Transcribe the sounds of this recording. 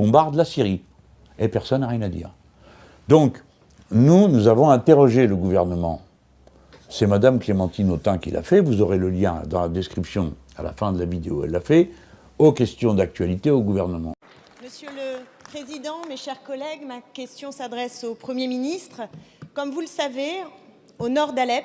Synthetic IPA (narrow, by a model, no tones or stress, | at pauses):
bɔ̃baʁd̪lasiʁi | epɛʁsɔnːaʁjɛ̃nad̪ḭːʁ | d̪ɔ̃k | nunuzavɔ̃ɛ̃t̪eʁɔʒeləɡuvɛʁnəmɑ̰̃ | sɛmad̪amklemɑ̃t̪inot̪ɑ̃kʲḭla̰fɛvuzɔʁeləljɛ̃d̪ɑ̃lad̪ɛskχipsjɔ̃ | a̰la̰fɛ̃d̪əlavid̪eoɛ̰lːafɛ | okʲɛst̪jɔ̃d̪ak̚t̪ɥalit̪eoɡuvɛʁnəmɑ̃ | məsjøləpχezid̪ɑ̃meʃɛʁkɔlɛɡmakʲɛst̪jɔ̃sad̪ʁɛsopχəmjeminist̪χkɔmvuləsave | onɔʁd̪alɛp